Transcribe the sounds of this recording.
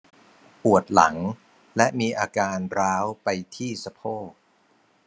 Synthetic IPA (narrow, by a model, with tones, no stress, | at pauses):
pu˨˩ət̪̚la̰˩˦ŋ | lɛ˦˥ʔmiː˧ʔaː˧kaː˧nɾaː˦˥wpa˧jt̪ʰiː˥˩sa˧pʰoː˥˩